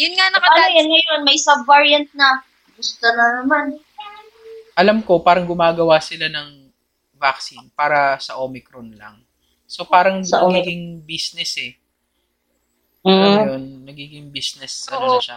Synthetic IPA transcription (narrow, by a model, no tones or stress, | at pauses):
jʊnŋanɐkɐlɐjɐnŋɐjonmɐjsɐbvaɹjɐnt̪̚nɐ | ɡʊst̪onɐnɐman | ʔɐlamko̞paːɾɐŋɡʊmaːɡɐwaːsɪlanɐŋ | vak̚sinpaːɾɐsɐʔoːmɪkɾonlɐ̰ŋ | so̞paːɾɐŋɐɡiːɡɪŋbisnɛsɛ | jonnɐɡiːɡɪŋbisnɛsːɐonʃa